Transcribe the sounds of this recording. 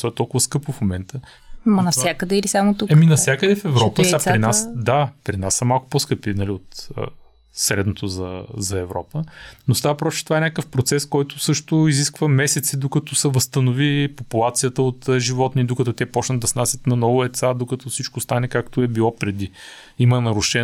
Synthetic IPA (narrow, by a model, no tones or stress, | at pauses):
t̪ɔɛt̪ɔlˠkʊvəskɤpʊfmomɛnt̪ə | mɐnɐfssjakəd̪ɛilisamot̪uɛminɐfsjakəd̪ɛfɛvɾɾɔpəapɾɾinasd̪apɾinasːɐmalˠkʊ̥poskɤpinɐliot̪ə̰ | sɾɛd̪not̪ozɐ̰zɐɛvɾɔ̰pənost̪avɐpɾɔt͡ʃɛ̥t̪vaɛnʲakəfpɾot̪sɛskɔjt̪ʊsɤʃt̪ʊiziskvəmɛsɛt̪sid̪okɐt̪ɔsɛvəst̪ɐnovipopulˠat̪sijət̪əot̪ːʒivɔt̪nid̪okɐt̪ɔt̪ʲɛpɔt͡ʃnətd̪d̪ɐsnasʲjət̪nɐnɔvʊɛt̪sad̪okɐt̪ɔfsit͡ʃkost̪anɛkakt̪oɛbilˠɔpɾɛd̪i | imənɐɾʊʃɛ